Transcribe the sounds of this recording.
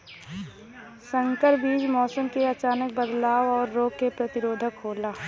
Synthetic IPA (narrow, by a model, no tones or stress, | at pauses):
sə̃ŋkəɾbiːd͡ʒmɔːsəmkeɐt͡ʃaːnək̚bəd̪laːwɔːɾːoːkːepɾɐt̪ɪɾoːd̪ʱəkɦoːlaː